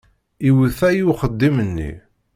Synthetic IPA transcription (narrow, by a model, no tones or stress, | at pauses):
iwθæjuχəd̪ːimənːḭ